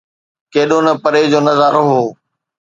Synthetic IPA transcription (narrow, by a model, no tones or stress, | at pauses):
keːɗonɐpɐɾed͡ʑoːnɐzaːɾoɦoː